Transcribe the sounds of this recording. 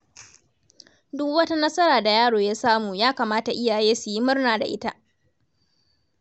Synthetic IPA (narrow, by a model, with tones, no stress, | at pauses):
dʊ˦kwɐ˦ta˦nɐ˦sɐ˦ɾaː˨da˨jaː˦ɽoː˨jaː˦saː˦muː˨jaː˦kaː˨maː˦ta˨ʔɪ˦jaː˨jeː˦su˨ji˦mʊ˦rnaː˨da̰˨ʔɪ˦ta˦ʔ